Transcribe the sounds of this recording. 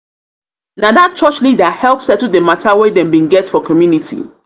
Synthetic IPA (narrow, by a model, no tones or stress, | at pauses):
nadat̚t͡ʃɔt͡ʃlidahɛlˠpsɛtl̩dematʰawedɛ̃mbĩnɡɛtfɔkʰɔmjunitʰḭ